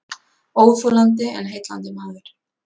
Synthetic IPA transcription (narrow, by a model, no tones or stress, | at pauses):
owvfoːlant̪ɪɛ̰nɦejt̪la̰nt̪ɪmaːvɪɾ̥